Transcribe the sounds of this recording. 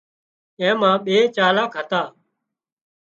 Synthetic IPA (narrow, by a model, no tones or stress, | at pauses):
ɛ̃ːmãːɓeːt͡ʃaːlaːkʰət̪aː